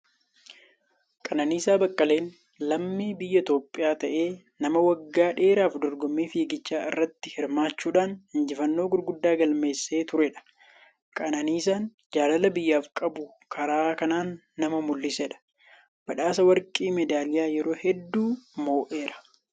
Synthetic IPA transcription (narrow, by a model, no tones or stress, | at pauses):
kʼɐnɐniːsaːbɐkʼːɐle̞ːn | lɐmːiːbɪjːɐt̪o̞ːpʼːɪjaːt̪ɐʔeː | nɐmɐwɐɡːaːᶑeːɾaːfd̪ɔɾɡɔmːiːfiːɡɪt͡ʃːaːɪrːɐt̪ːɪhɪɾmaːt͡ʃːuːᶑaːnhɪnd͡ʒɪfɐnːo̞ːɡʊɾɡʊd̪ːaːɡɐlme̞ːsːe̞ːt̪ʊɾɛᶑɐ̥ | kʼɐnɐniːsaːn | d͡ʒaːlɐlɐbɪjːaːfkʼɐbʊ | kʰɐɾaːkɐnaːnː | ɐmɐmʊlːɪsɛᶑɐ̥ | b̥ɐᶑaːsɐwɐɾkʼiːmɛd̪aːlɪjaːjɛɾo̞ːhɛd̪ːuːmo̞ːʔe̞ːɾɐ̥